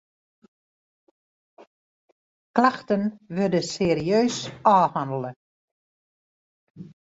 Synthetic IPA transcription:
klaxtənʋʏdəseːriøːsɔːhandlˠə

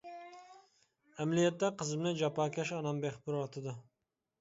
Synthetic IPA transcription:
æmlijɛt̪ːɛqʰəzɨmnɨd͡ʒɑpɑːkʲʰɛʃɑnɑmbeχbuɾɑt̪ʰɨd̪ʊ

